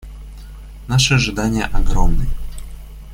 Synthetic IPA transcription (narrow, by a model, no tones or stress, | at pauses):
naʂɛʐɨd̪anʲɪjə̰ʔɐɡɾɔmnɨ